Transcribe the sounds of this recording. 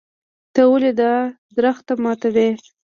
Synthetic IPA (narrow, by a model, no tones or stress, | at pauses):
t̪əwəled̪a | d̪ɾəxt̪amɑt̪awe